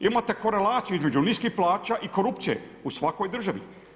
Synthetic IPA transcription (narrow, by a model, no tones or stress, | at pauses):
imat̪e̞ko̞ɾe̞laːt̪sijuizme̞d͡ʒuniːskixplˠaːt͡ʃaʔiko̞ɾupt̪sije̞̰ | usʋako̞jd̪r̩ʒaʋḭ